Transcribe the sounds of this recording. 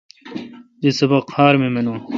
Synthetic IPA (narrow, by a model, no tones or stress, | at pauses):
d̪isɐbɐqhaːɾmemɐnũ